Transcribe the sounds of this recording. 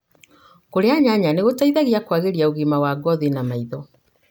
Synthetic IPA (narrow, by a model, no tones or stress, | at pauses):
koɾeaɲaɲaneɣotaiðaɣiakwaɣeɾiauɣimawaɡɔðinamaiðɔ